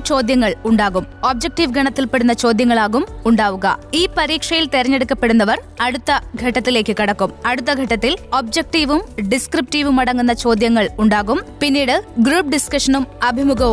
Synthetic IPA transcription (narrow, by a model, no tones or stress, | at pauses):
t͡ɕo̞ːd̪jɐŋːɐɭuɳɖaːɣumoːb̚d͡ʑɐk̚ʈiʋɡʱɐɳɐt̪ːilpe̞ɽunːɐt͡ɕo̞ːd̪jɐŋːɐɭaːɣumuɳɖaːʋuɣɐ̰iːpɐɾiːkʂɐjilt̪eɾɐɲːeɽukːɐpːe̞ɽunːɐʋɐr | ɐɽut̪ːɐɡʱɐʈːɐt̪ːile̞ːkːɨkɐɽɐkːumɐɽut̪̬ːɐɡʱɐʈːɐt̪ːiloːb̚d͡ʑeɐk̚ʈiʋumɖiskrip̚ʈiːʋumɐɽɐŋːunːɐt͡ɕo̞ːd̪jɐŋːɐɭuɳɖaːɣumpinːiːɽɨɡɾuːp̚ɖiskɐʂɐnumɐbʱimuɡʱɐʋ